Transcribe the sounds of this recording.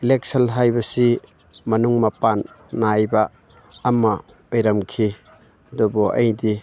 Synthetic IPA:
ilek̚selɦajbɐsi | mɐnuŋmɐpanː | ajbaː | mɐ | ojɾɐmkʰi | ɐdubuʔɐ̰jdi

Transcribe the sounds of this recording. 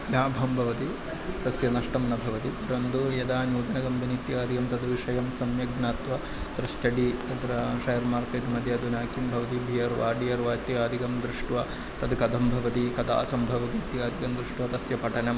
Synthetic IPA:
laːbʱɐmbʱɐʋɐt̪i | t̪ɐsjɐnɐʂʈɐmnɐbʱɐʋɐt̪it̪ɐɾɐnd̪ujɐd̪aːnjuːd̪ɐnɐɡɐmd̪ʱɐnit̪jɐaːd̪ʱikɐmt̪ɐd̪ʋiʂɐjɐmsɐmjɐɡnaːt̪ʋɐ | t̪ɾɐʃʈɐɖit̪ɐd̪ɾɐʃɐjɐɾmaːɾkɐːt̪umɐd̪ʱjɐd̪unaːkʰimbʱɐʋɐt̪ibʱijɐɾʋa̰ːɖijɐɾʋaːt̪ːjiaːd̪ʱikɐmd̪ɾuʂʈʋɐ | t̪ɐd̪kɐd̪ɐmbʱɐʋɐt̪ikɐd̪a̰ːsɐmbʱɐʋɐt̪it̪jaːd̪ʱikɐmd̪ɾuʂʈʋɐt̪ɐsjɐpɐʈɐnɐm

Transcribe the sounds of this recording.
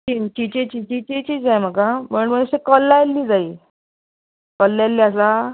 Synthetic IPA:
t͡ɕit͡ɕit͡ɕet͡ɕiːt͡ɕit͡ɕet͡ɕiːd͡zajm̤əkaməɳməəsekɔlːajlːiːd͡zaiː | kɔlːajlːiːasa

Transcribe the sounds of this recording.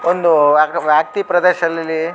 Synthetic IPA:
ond̪uʋjaːk̚t̪ipɾɐd̪eːʃɐlɐlːi

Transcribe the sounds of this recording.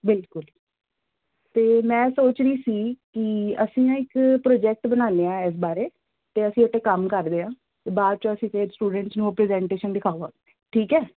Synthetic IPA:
bɪlkʊl | t̪eːmɛ̃ːsoːt͡ʃɾiːsiːkɪəsĩːãːɪkpɾoːd͡ʒɛːk̚ʈbənaːneːãːɪs̬baːɾeː | t̪eːəsĩːoʈːeːkəmkəɾd̪eːãː | t̪eːbaːd̪̚t͡ʃõːəsĩːt̪eːsʈuːɖəɳʈsnũːpɾɛːzɛ̃ːɳʈeːʃənɖɪkʰaːʋaː | ʈʰiːkɛː

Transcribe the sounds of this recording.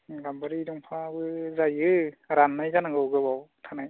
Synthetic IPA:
ɡambaɾidɔŋpʰabɯzajɯɾanːajzanaŋɡɯwɡɯbawtʰanaj

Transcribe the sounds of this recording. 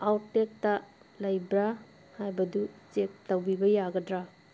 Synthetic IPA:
awtek̚tɐ | lɐjbɾa | hajbɐdut͡ʃek̚tawbibɐjaɡɐdɾa

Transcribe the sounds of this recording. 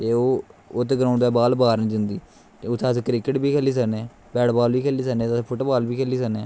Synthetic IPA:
t̪eːoːoːt̪eːɡɾaːɳɖd̪ɛːbaːlbaːɾnĩːd͡ʒənd̪iː | t̪eːʊt̪ʰːẽseːkɾɪkɪʈbiːkʰɛːliːs̬əkneː | bɛːɽbaːlbiːkʰɛːliːs̬əknẽːt̪ːpʰʊʈːbaːlbiːkʰɛːliːs̬əkneː

